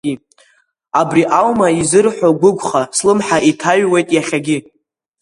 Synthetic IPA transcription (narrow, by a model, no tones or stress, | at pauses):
abriʔawmaizɨrħʷᶣoɡʷʊɡʷχaslɨmħaʔitʰaɥwe̞jtʼjaχʲaɡʲɪ